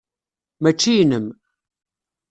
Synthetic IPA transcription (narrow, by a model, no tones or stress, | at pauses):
mæt͡ʃːijnəm